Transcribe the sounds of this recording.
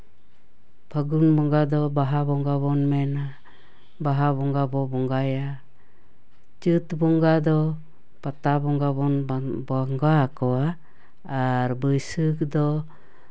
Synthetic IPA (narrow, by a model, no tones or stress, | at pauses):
pʰəɡunbɔŋɡad̪ɔbaɦabɔŋɡaβɔnmɛna | baɦaβɔŋɡabɔbɔŋɡaja | t͡ʃɨt̪bɔŋɡad̪ɔ | pat̪abɔŋɡabɔnbaŋɡakɔwaː | ɾbəjsɯk̚d̪ɔ